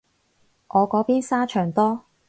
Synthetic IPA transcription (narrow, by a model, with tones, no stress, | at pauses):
ʔɔː˨˧kɔː˨˥piː˥nsaː˥t͡ʃʰœː˨˩ŋt̪ɔː˥